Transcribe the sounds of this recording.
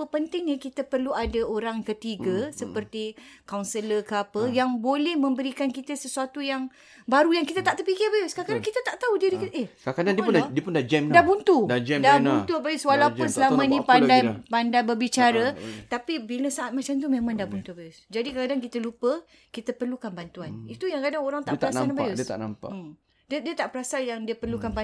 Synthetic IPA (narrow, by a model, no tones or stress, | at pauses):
pəpənt̪ɪŋɲə̃kit̪əpərluadaoɾaŋkət̪iɡəsəpərt̪ikawnsələkəapəjaŋbolɛhmə̃mbəɾikankit̪əsəsuat̪ujaŋ | baɾujaŋkit̪at̪aʔt̪ərpikɪrbajʊskakadaŋkit̪at̪aʔt̪audiɾikiehkakadandipunddiəpʊndad͡ʒɛmdahbunt̪udad͡ʒɛdabant̪ubajuswalauʊnsəlamanɲãpandajpandajbərbit͡ʃaɾət̪apibiləsaʔat̪̚mãt͡ʃamt̪umẽmãŋdahbunt̪ubajʊsd͡ʒadikakadaŋkit̪əlupə | kit̪əpərlukanbant̪uanit̪ujaŋkadaŋoɾaŋt̪aʔpɾaaabajʊst̪a̰ʔna̰mpa̰ | dədiət̪aʔpəɾasaljaŋdiəpərlukanba